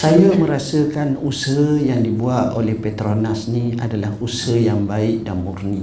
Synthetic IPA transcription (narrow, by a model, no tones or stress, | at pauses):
sajamə̃ɾasəkanusəɦəjaŋdibuat̪olɛhpet̪ɾonasniadalahusəjaŋbaɪk̚danmurni